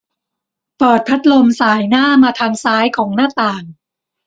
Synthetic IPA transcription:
pɤː˨˩t̪̚pʰa˦˥t̪̚lo˧msaː˩˦jnaː˥˩maː˧t̪ʰaː˧ŋsaː˦˥jkʰɔː˩˦ŋnaː˥˩t̪aː˨˩ŋ

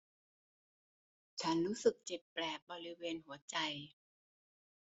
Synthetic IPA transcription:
t͡ɕʰa˦˥nɾuː˦˥sɯ˨˩k̚t͡ɕe˨˩p̚plɛː˨˩k̚bɔː˧ɾi˦˥weː˧nɦu˩˦ɐt͡ɕa˧j

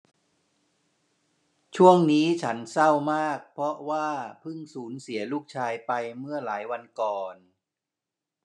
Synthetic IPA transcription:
t͡ɕʰu˥˩əŋniː˦˥t͡ɕʰa˦˥nsa˥˩wmaː˥˩k̚pʰɾɔ˦˥waː˥˩pʰɯ˥˩ŋsuː˩˦nsi˩˦ɐluː˥˩k̚t͡ɕʰaː˧jpa˧jmɯ˥˩ɐlaː˩˦jwa˧nkɔː˨˩n

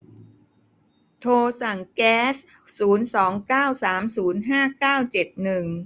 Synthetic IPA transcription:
t̪ʰoː˧sa˨˩ŋkɛː˦˥s | suː˩˦nsɔː˩˦ŋkaː˥˩wsaː˩˦msuː˩˦nɦaː˥˩kaː˥˩wt͡ɕe˨˩t̪̚nɯ˨˩ŋ

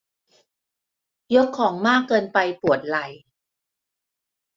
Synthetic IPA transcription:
jo˦˥kʰːɔː˩˦ŋmaː˥˩kːɤː˧npa˧jpu˨˩ət̪̚la˨˩j

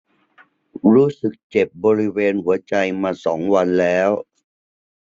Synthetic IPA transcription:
ɾuː˦˥sɯ˨˩k̚t͡ɕe˨˩p̚bɔː˧ɾi˦˥weː˧nhu˩˦ɐt͡ɕa˧jmaː˧sɔ̰ː˩˦ŋwa˧nlɛː˦˥w

